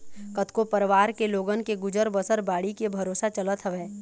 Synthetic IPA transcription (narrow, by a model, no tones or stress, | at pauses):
kət̪kopɐɾʋaːɾkeloːɡənkeɡʊd͡ʒəɾbəsəɾbaːɽikebʱɐɾoːsat͡ʃɐlət̪ɦɐʋeː